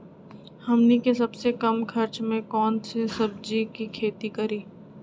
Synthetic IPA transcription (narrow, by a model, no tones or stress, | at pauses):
hɐmnikesɐbsekɐmkʰɐɾt͡ʃmẽkɔːnsesɐb̚d͡ʒikikʰeːt̪ikɐɾiː